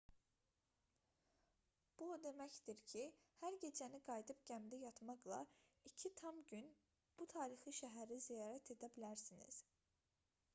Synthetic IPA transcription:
b̥ud̪e̞mæçd̪̥iɾcʰihæɾɟe̞d͡ʒæniɡɑjd̪ɯpɟæmd̪æjɑt̪mɑɡlˠɑ̰icʰit̪ʰɑmɟyn | b̥ut̪ʰɑːɾixiʃæɦæɾizijɑːɾæt̪ʰe̞d̪æbilæɾsinḭz̥

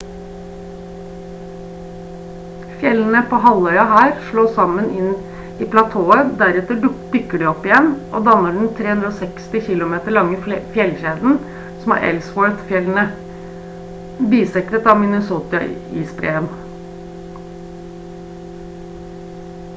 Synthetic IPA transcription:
fjɛln̩əpʰoːɦɑlœʏɑhæːɾʂɭoːsɑmənɪn | iːpʰlɑt̪ʰoːəd̪æɾɛt̪əd̪ʏkːəɖiːɔpːɪjɛnʔo̰ːd̪ɑnːəɖn̩t̪ʰɾeːhʉnd̪ɾoːsɛkst̪ɪçɪlʊmeːt̪əɭɑŋːəfjɛlçeːd̪n̩ | sɔmɑ̰ːʔɛ̰lswɔɹt̪fjɛln̩ə | biːsɛkɾət̪ɑʋmɪnəsuːt̪ɑḭːspɾḛːən

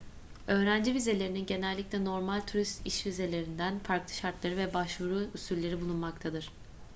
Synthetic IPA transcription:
ø̞ːɾænd͡ʒivize̞lʲe̞ɾininɟe̞nælʲːiclʲɛno̞ɾmalʲt̪ʰuɾist̪iʃvize̞lʲe̞ɾind̪ænfaɾklˠɯ̥ʃaɾt̪lˠaɾɯvɛbaʃvuɾuysyɾlʲe̞ɾibulˠunmakt̪ʰad̪ɯɾ̥

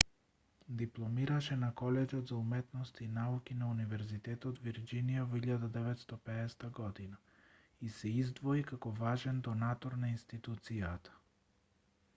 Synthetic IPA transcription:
d̪iplˠɔmiɾaʃɛnakɔlɛd͡ʒɔd̪zaumɛt̪nɔst̪iinaukinaunivɛɾzit̪ɛt̪ɔt̪viɾd͡ʒinijavɔiʎad̪ad̪ɛvɛt̪st̪ɔpɛːst̪aɡɔd̪ina | isɛizd̪vɔikakɔvaʒɛnd̪ɔnat̪ɔɾnainst̪it̪ut̪sijat̪ḁ

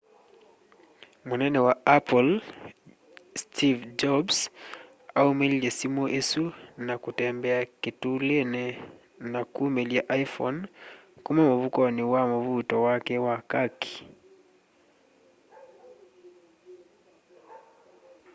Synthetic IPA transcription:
munɛnɛwaapɔl | stʰivd͡ʒɔbs | aumeliasimɔʔesunakutɛmbɛakitulenɛ | nakumelijaʔajfɔ̰nkumamovukɔniwamovutɔwakɛwakaki̥

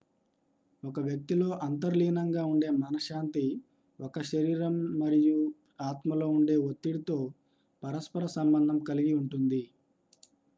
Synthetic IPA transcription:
ɔkɐʋjɐk̚t̪ilo̞ːʔɐnt̪ɐɾliːnɐŋɡaːuɳɖe̞ːmɐnɐʃaːnt̪i | ɔkɐʃɐɾiːɾɐmːɐɾiju | aːt̪mɐlo̞ːuɳɖe̞ːʋot̪ːiɽit̪o̞ː | pɐɾɐspɐɾɐsɐmbɐnd̪ʱɐmkɐliɡiuɳʈund̪i

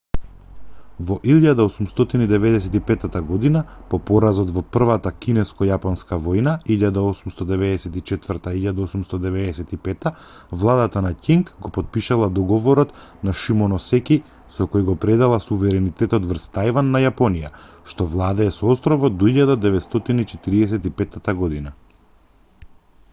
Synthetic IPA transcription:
vɔʔiʎad̪aosumst̪ɔt̪inid̪ɛvɛd̪ɛsɛt̪ipɛt̪at̪aɡɔd̪inapɔpɔɾazɔt̪vɔpr̩vat̪akinɛskɔjapɔnskavɔjnaiʎad̪aɔsumst̪ɔd̪ɛvɛd̪ɛsɛt̪it͡ʃɛt̪vərt̪aiʎad̪aosumst̪ɔd̪ɛvɛd̪ɛsɛt̪ipɛt̪a | vlˠad̪at̪anaciŋkɡɔpɔt̪̚piʃalˠad̪ɔɡɔvɔɾɔt̪naʃimɔnɔsɛki | sɔkɔjɡɔpɾɛd̪alˠasuvɛɾɛnit̪ɛt̪ɔt̪vrst̪ajvanːajapɔnija | ʃt̪ɔvlˠad̪aɛsɔɔst̪ɾɔvɔd̪ɔiʎad̪ad̪ɛvɛt̪st̪ɔt̪init͡ʃɛt̪iɾiɛsɛt̪ipɛt̪ːat̪aɡɔd̪ina

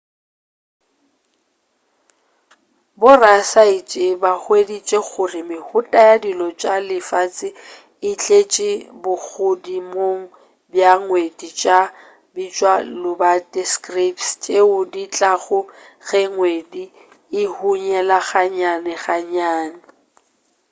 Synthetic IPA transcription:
bʊrasait͡ʃʼɪbaχwedit͡ʃʼek͡xʊrɪmɪhʊtʼajadilɔt͡ʃʼalɪfaːt͡sʼɪ | ɪt͡ɬʼet͡ʃʼɪbʊk͡xʊdimoŋ̩ | bjaŋwedit͡ʃʼa | bit͡ʃʼwalʊbatʼɛskripst͡ʃʼeʊdit͡ɬʼaɣʊ | ɣɛŋwedi | ɪhuɲɛlaɣaɲanɛɣaɲaːnɪ

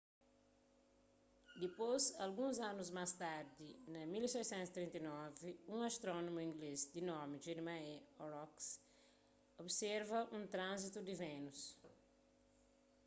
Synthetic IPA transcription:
d̪ipozɐlɡũzãnuzmast̪aɾd̪inɐmilsɛjsɛ̃nt̪st̪ɾĩnt̪inɔviũŋast̪ɾɔnomuĩŋɡlezd̪inɔɾmid͡ʒeɾmaɛɔɾɔks | obseɾvɐʔũnt̪ɾãnzit̪ud̪ivẽnus

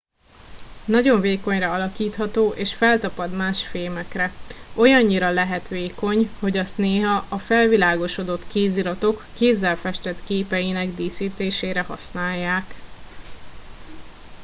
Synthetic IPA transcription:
nɒɟo̞ɱveːko̞ɲrɒɒlɒkiːt̪hɒt̪oːʔeːʃfɛlt̪ɒpɒd̪maːʃfeːmɛkrɛo̞jɒɲːiɾɒlɛɦɛt̪ʋeːko̞ɲho̞ɟɒst̪neːɦɒʔɒfɛlvilaːɡo̞ʃo̞d̪o̞t̪keːziɾɒt̪o̞kːeːzːɛlfɛʃt̪ɛt̪keːpɛjinɛɡd̪iːsiːt̪eːʃeːɾɛhɒ̰snaːjːaːk

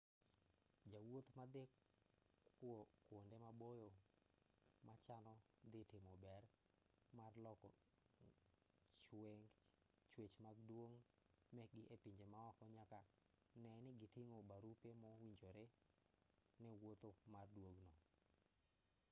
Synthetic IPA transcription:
d͡ʒawot̪mad̪e | wokwondemabojo | mat͡ʃanɔ | d̪ɪtemɔbɛr | marlɔkɔ̰ | t͡ʃweŋ | t͡ʃwet͡ʃmaɡdwoŋmɛɡɪʔepiɲd͡ʒemaɔkɔɲaka | nɛnɪɡɪtiŋobaɾupemɔwiɲd͡ʒoɾe | nɛwot̪omardwoɡnɔ

